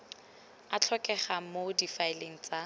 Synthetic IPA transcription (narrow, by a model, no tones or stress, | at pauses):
at͡ɬʰɔkʼɛχamodifaeleŋ̩t͡sʼa